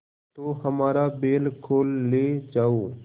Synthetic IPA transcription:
t̪oːhəmaːɾabeːlkʰoːlːeːd͡ʒaːoː

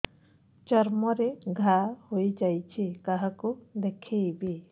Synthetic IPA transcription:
t͡ʃɔɾmɔɾeɡʱahojd͡ʒajt͡ʃʰikaɦakud̪ekʰeibi

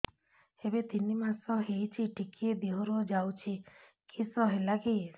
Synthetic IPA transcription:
ebet̪inimasɔɦejt͡ʃʰiʈikied̪iɦoɾod͡ʒawt͡ʃʰi | kʰisɔɦelaɡi

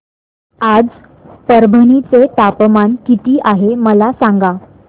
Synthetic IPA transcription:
ad͡z | pəɾbʱənit͡set̪apmankit̪iːʔaɦeməlasaŋɡa

